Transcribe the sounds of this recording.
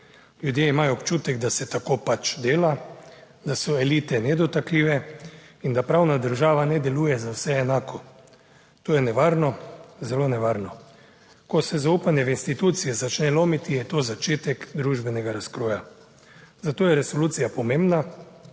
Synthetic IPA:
ljud̪jeimaːjɔːpt͡ʃuːt̪ɛɡd̪asɛt̪akoːpat͡ʃd̪eːla | d̪asɔɛliːt̪ɛnɛd̪ɔt̪akliːʋɛind̪apɾawnad̪əɾʒaːʋanɛd̪ɛlujɛzawsɛːnaːkʰɔ | t̪oːjɛnɛʋaːɾnɔzɛlonɛʋaːɾnɔ | kɔsɛzauːpanjɛʋinst̪it̪uːt̪sijɛzat͡ʃnɛloːmit̪ijɛt̪oːzat͡ʃeːt̪ɛkd̪ɾuʒbɛnɛɡaɾaskɾoːja | zat̪oːjɛɾɛsoluːt̪sijapɔmeːmbna

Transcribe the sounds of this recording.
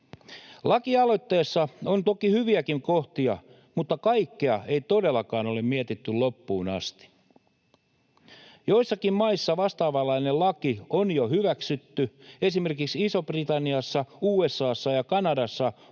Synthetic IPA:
lɑkiɑlo̞t̪ːe̞ːsːɑont̪o̞kihyʋiækiŋkoht̪iɑ̰ | mut̪ːɑkɑikːeɑe̞it̪o̞delːɑkɑːno̞lemmiæt̪it̪ːylopːuːnɑ̰st̪i̥ | jo̞isːɑkimmɑisːɑʋɑst̪ɑːʋɑlːɑinelɑkionjohyʋæksyt̪ːye̞sime̞rkiksisobrit̪ɑnːiɑsːɑuːesːɑːsːɑjɑkɑnɑdɑsːɑ

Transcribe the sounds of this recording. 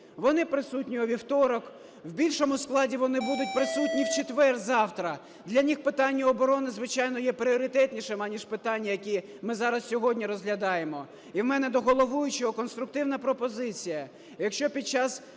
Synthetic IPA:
ʋɔnɪpɾɪsutʲnʲiɔʋʲiwt̪ɔɾɔk | wbʲilʲʃɔmʊsklˠɑdʲiʋɔnɪbud̪ʊt̚ʲpɾɪsutʲnʲiwt͡ʃet̪ʋɛrzɑwt̪ɾɐ | d̪lʲɐnʲixpɪt̪ɑnʲːɐɔbɔɾɔnɪzʋɪt͡ʃɑjnɔjɛpɾʲiɔɾʲɪt̪ɛt̪ʲnʲiʃɛmɑnʲiʃpɪt̪ɑnʲːɐjɐkʲi | mɪzɑɾɐssʲɔɦɔdʲnʲiɾɔzɦlʲɐd̪ɑjemɔ | iwmɛnɛd̪ɔɦɔlˠɔʋujʊt͡ʃɔɔkɔnst̪ɾʊk̚t̪ɪwn̪ɐpɾɔpɔzɪt͡sʲijɐ | jɐkʃt͡ʃɔpʲid̪̚t͡ʃɑs

